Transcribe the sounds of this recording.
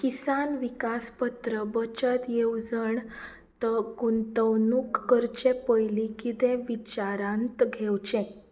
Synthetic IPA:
kisanʋikaspət̪ɾəbət͡ɕət̪jewd͡zəɳ | t̪əɡunt̪əwnukːəɾt͡ɕẽpəjlikit̪ɛ̃ʋit͡ɕaɾãnt̪ɡʱewt͡ɕɛ̃

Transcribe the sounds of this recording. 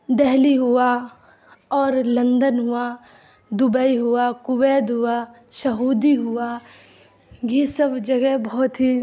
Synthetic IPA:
d̪ɛɦliɦʊa | ɔːɾlɐ̃nd̪ənɦʊa | d̪ʊbəiɦʊakʊweːd̪ɦʊasɐɦuːd̪iɦʊa | ɡisɐbd͡ʒɐɡɛɦbɔɦʊt̪ɦi

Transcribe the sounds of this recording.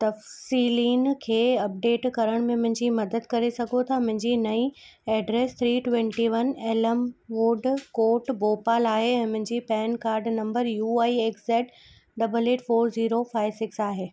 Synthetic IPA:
t̪ɐfsiːliːnkʰeːɐp̚ɖeːʈkɐɾəɽ̃mẽmʊ̃ɦɪ̃ɲd͡ʑimɐd̪əd̪kɐɾesɐɡʱot̪ʰamʊ̃ɦɪ̃ɲd͡ʑiːnɐi | ɛːɖɾeːst̪ʰɾiːʈwẽɳʈiʋɐneːləmʋuːɖkoːʈboːpaːlaːɦeɛ̃ːmʊ̃ɦɪ̃ɲd͡ʑipɛːnkaːɾɖnɐ̃mbəɾjuːaːieːkseːʈ | ɖɐbəleːʈfoːɾziːɾofaːɪʋsɪksaːɦeː

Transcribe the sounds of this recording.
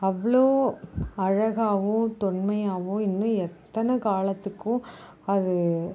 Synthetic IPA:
ɐʋːɐɭoːɐɻɐɣaːʋʊ̃t̪ʊɳmɐjaːʋʊ̃ɪnːɯ̃ɛt̪ːɐnɐkaːlɐt̪ːɯkːʊ̃ | ɐðɯ

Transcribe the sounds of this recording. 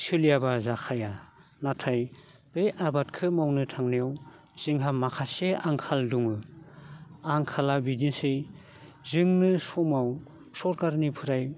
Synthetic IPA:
sɯlijabazakʰajanatʰaj | b̥eʔabatkʰɯmawnɯtʰaŋnijaw | z̥ɯŋɦamakʰaseaŋkʰalduŋɯ | aŋkʰalabidinse | zɯŋnɯsɔmaw | sɔɾkaɾnipʰɯɾaj

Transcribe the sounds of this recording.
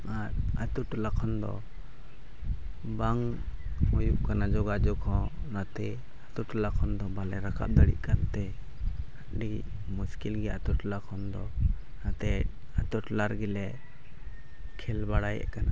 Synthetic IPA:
at̚at̪uʈlakʰɔnd̪ɔ̰ | baŋ | mɔjuʔkanad͡ʒɔɡad͡ʒɔkʰɔ̃nat̪ɛ | at̪uʈlakʰɔnd̪ɔbalɛɾakʰa̰p̚d̪aɽḭʔ̚kant̪ɛ | aɖi | muskilɡɛat̪uʈlakʰɔnd̪ɔ | nat̪ɛ | at̪uʈlaɾɡɛlɛ | kʰɛlbaɽajɛ̰ʔkana

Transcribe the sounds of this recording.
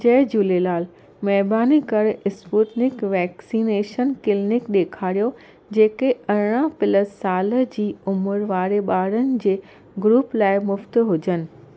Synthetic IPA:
d͡ʑɐːd͡ʑuːlelaːl | mɛɦbaːnikɐɾɪspuːʈnɪkʋɛːksiːneːʃənkɪlnɪkɗeːkʰaːɾijo | d͡ʑeːkeɐɾɽ̃ãpɪləsaːlə̆d͡ʑiːʊmʊɾʋaːɾeɓaːɾənɪ̆d͡ʑeː | ɡɾuːplaːɪmʊft̪ɦʊd͡ʑənɪ̆

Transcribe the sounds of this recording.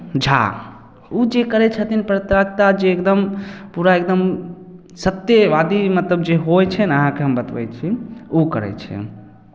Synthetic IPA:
d͡ʒʱʰa̰ | ud͡ʒekəɾɛt͡ʃʰət̪inpɾət̪ɾəkt̪ad͡ʒeːkd̪əmpuɾaekd̪əm | sət̪jeʋad̪imət̪ləbd͡ʒeɦojt͡ʃʰɛnəɦãkeɦəmbət̪bɛ̰jt͡ʃʰiukə̰ɾɛ̰t͡ʃʰɛ̰

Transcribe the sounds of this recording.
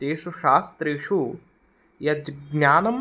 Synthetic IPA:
eːʃuʃaːst̪ɾeːʂu | jɐd̪ɡnʲaːnɐm

